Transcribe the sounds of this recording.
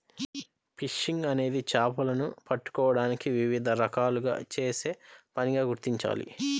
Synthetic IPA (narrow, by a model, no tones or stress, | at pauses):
piʂiŋɡɐne̞ːd̪it͡ʃaːpɐlɐnupɐʈːu̥kɔːʋɐɽaːnikiʋiʋid̪ʱɐɾɐkaːluɡa̰ːt͡ʃe̞ːse̞ːpɐniɡaːɡuɾt̪iɲt͡ʃa̰ːlḭ